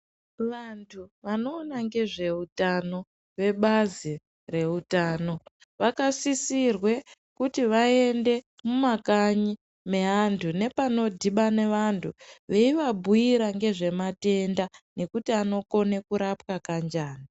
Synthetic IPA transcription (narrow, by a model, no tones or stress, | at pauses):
ʋantʰuʋano̞ːnaŋɡe̞ʐe̞utano̞ | ʋe̞ɓazi | re̞utaːno̞ | ʋakasisirwe̞ | kutiʋae̞nde̞ | mumakaɲi | me̞ɦantʰune̞pano̞dʱiɓane̞ʋantʰuʋe̞iʋabʱujiɾaŋɡe̞ʐe̞mate̞ndane̞kutiano̞ko̞ne̞kuɾapkakand͡ʒaːna